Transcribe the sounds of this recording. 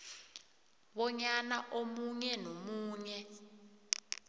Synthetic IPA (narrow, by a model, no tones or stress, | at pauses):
ɓɔɲanaʔomuɲɛnomuːɲɛ